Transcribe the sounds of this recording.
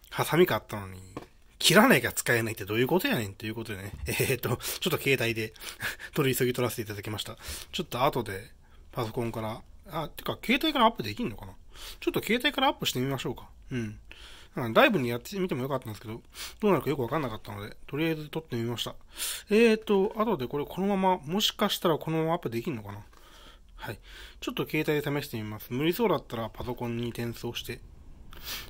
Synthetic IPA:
hasamʲikat̪ːano̞ɲ̟ḭ | kʲʰiɾanaikat͡sɨ̥kae̞nait̪ːe̞d̪o̞ːjɯ̟ːko̞t̪o̞janẽ̞nt̪ːe̞jɯ̟ko̞t̪od̪e̞neet̪ːo̞t͡ɕo̞t̪ːo̞ke̞ːt̪aid̪e̞t̪o̞ɾʲiso̞ɡʲit̪o̞ɾase̞t̪eit̪ad̪akemaɕi̥t̪at͡ɕo̞t̪ːo̞at̪o̞d̪e̞ | paso̞kõ̞ŋkaɾaat̪ːeɯ̥kake̞ːt̪aikaɾaːpːɯ̟d̪e̞kʲiɯ̃no̞kanat͡ɕo̞t̪ːo̞ke̞ːt̪aikaɾaːpːɯ̟ɕi̥t̪e̞mʲimaɕo̞ːkḁ | ɯ̟̃ɴnãŋkad̪aibɯ̟ɲ̟ijat̪ːe̥mʲit̪e̞mojo̞kat̪ːãnd̪esɨke̞d̪o̞d̪̥oːnaɾɯ̟kajo̞kɯ̟βakãnːakat̪ːano̞d̪e̞t̪o̞ɾʲijaizɨt̪o̞t̪ːe̞mʲimaɕi̥t̪aeːt̪ːo̞ʔat̪o̞d̪e̞ko̞ɾe̞kʰo̞no̞mamamo̞ɕi̥kaɕi̥t̪aɾako̞no̞mamaːpːɯ̟d̪ekʲiɾɯnokana | hait͡ɕo̞t̪ːo̞ke̞ːt̪aid̪e̞t̪ame̞ɕi̥t̪e̞mʲimasɨ̥mɯ̟ɾʲiso̞ːd̪at̪ːaɾapaso̞kõ̞ɲ̟ːit̪ẽ̞ɰ̃so̞ːɕi̥t̪e̞

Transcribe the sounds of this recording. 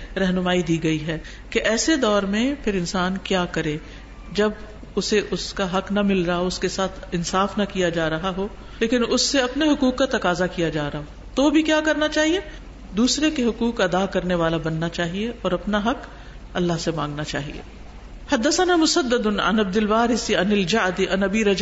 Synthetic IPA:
ɾɛɦnʊmaːid̪iːɡɐiɦɛː | keʔɛːsed̪ɔːɾmẽpʰɪɾɪnsaːnkjaːkɐɾẽː | d͡ʒɐb | ʊseʔʊskaɦɐknɐmɪlɾɐɦaʊskesaːt̪ʰɪnsaːfnɐkijad͡ʒaːɾɐɦaɦoː | leːkɪnʊsːeɐpneɦʊkuːkːat̪ɐkaːzakijad͡ʒaːɾɐɦaɦo | t̪obʱikjaːkɐɾnat͡ʃaːɦie | d̪uːsɾekeɦʊkuːkɐd̪akɐɾneʋaːlabɐnːat͡ʃaːɦieʔɔːɾɐpnaɦɐk | ɐlːaɦsemãːŋɡnat͡ʃaːɦḭḛː | hɐd̪ːɐsənamʊsɐd̪ːəd̪ʊnɐ̰nɐb̚d̪ɪlʋaːɾɪsiɐnɪld͡ʒaʕd̪iʔɐnɐbiɾɐd͡ʒ

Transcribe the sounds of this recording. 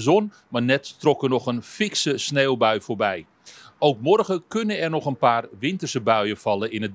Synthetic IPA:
zɔn | marnɛtːrɔkərnɔxənfɪksəsneːlˠbœɥfoːrbɛj | owkmɔrɣəkɵnənɛrnɔxənpaːrʋɪntərsəbœɥəfɑlˠəɪnə

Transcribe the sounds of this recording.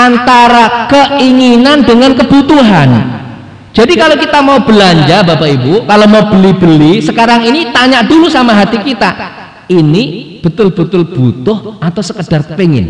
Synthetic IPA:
ʔant̪aɾakəiŋinandəŋankəbut̪uɦan | d͡ʒ̥adikalokit̪amaub̥əlaɲd͡ʒabapaibukalomaubəlib̥əlisəkaɾaŋinit̪aɲaʔdulusamaɦat̪ikit̪a | inib̥ət̪ʊlb̥ət̪ʊlb̥ut̪ʊhat̪awsəkəd̥arpeŋɪ̰n

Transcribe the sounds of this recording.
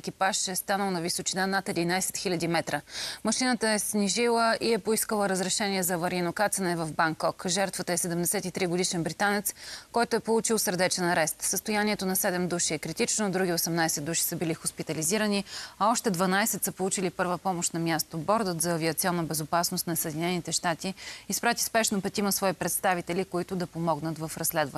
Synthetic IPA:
ɛkipaʃɛst̪anəlˠnɐvisot͡ʃinanat̪ɛd̪inajsɛ̥t̪xilʲɐd̪imɛt̪ɾəmɐʃinət̪əɛsniʒilˠəʔiɛpoiskəlˠəɾəzɾɛʃɛniɛzɐvɐɾinokat̪sənɛvɐvbaŋkɔkʒɛɾt̪vət̪əɛsɛd̪ɛmd̪ɛsɛt̪it̪ɾiɡod̪iʃɛnbɾit̪anɛt̪skɔjt̪oɛpolˠut͡ʃilˠsəɾd̪ɛt͡ʃɛnɐɾɛst̪səst̪ojaniɛt̪onɐsɛd̪ɛmd̪uʃiɛkɾit̪it͡ʃnod̪ɾuɡʲiosɛmnajsɛt̪ːuʃi̥səbilixʊspit̪ɐliziɾəniɐɔʃt̪ɛd̪vɐnaisɛt̪səpolˠut͡ʃilipɤɾvəpɔmoʃt̪nɐmjast̪obɔɾd̪ət̪zɐːviət̪siɔnːəbɛzopasnʊst̪nɐsəɛːd̪ʲinɛnit̪ɛʃt̪at̪iːspɾat̪i̥spɛʃnopɛt̪imɐsvɔipɾɛt̪st̪avit̪ɛlikoit̪ʊd̪ɐpomɔɡnət̪vɐfɾɐsːlɛd̪vɐ

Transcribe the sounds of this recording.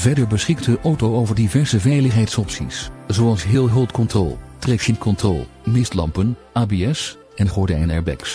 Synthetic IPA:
vɛɹdəɹbəsχɪk̚təʔowtowowvəɹdivɛɹsəvɛjləχɦɛjtsɔpsḭszoɑlˠsɦɪːlˠɦɵlˠtkɔntrɔ̰lˠtrɛksɪnkɔntrɔ̰lˠ | mɪstlɑ̰mpənaːbeɛs | ɛnχɔɹdɛ̰jnɛ̰ɹbɛ̰ks

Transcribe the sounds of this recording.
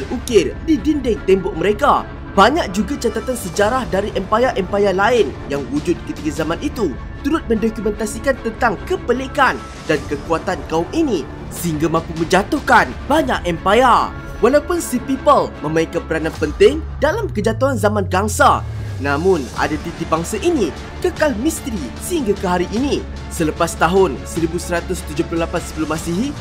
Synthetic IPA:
əukɪrdidindɪŋt̪ɛmbɔʔ̚məɾeka | baɲak̚d͡ʒuɡat͡ʃat̪at̪ansəd͡ʒaɾahdaɾiʔɛmpajaʔɛmpajalaɪnjaŋwud͡ʒʊt̪̚kət̪ikazamãnʔit̪u | t̪uɾʊt̪̚mə̃ndɔkumɛ̃nt̪asikant̪ənt̪aŋkəpəlekan | dankəkuat̪ankaʊmini | səhiŋɡamãpumə̃ɲd͡ʒat̪ʊhkanbaɲaʔɛmpaja | walawpʊnsipipəlmə̃maikanpəɾanãnpənt̪ɪŋdalamkəd͡ʒat̪uanzamãnɡaŋsanãmʊ̃na̰dat̪it̪ibaŋsaʔini | kəkalmist̪ɾisəhiŋɡakəɦaɾiʔini | sələpast̪aɦʊnsəɾibusəɾat̪ʊst̪ud͡ʒoplʊhlapansə̥pəlʊmasiɦi

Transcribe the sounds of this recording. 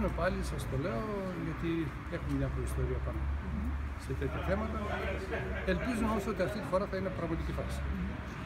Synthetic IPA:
mepɐlisɐst̪o̞le̞o | ʝɐt̪i | exumeðjɐfoɾist̪o̞ɾiɐpɐno | set̪et̪çɐθe̞mɐt̪ɐ | e̞lpizumeomoso̞t̪iɐft̪it̪ifo̞ɾɐθɐinepɾɐɣmɐt̪icifɐsi̥

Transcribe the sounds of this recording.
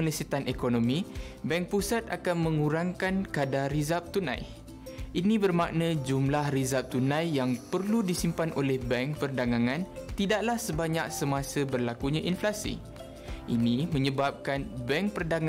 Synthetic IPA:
əlisit̪anʔekonomĩbɛŋk̚pusat̪̚a̰kanmə̃ŋuɾaŋkankadaɾizap̚t̪unã̰j | ʔinĩbərmaʔnãd͡ʒumlahrizap̚t̪unãjjaŋpərludisimpanʔolɛhbɛŋkpərdaŋaŋãnt̪idaʔlahsəbaɲak̚səmãsəbərlakuɲãʔinflasḭ | ʔinimə̃ɲəbap̚kanbɛŋk̚pərdaŋ

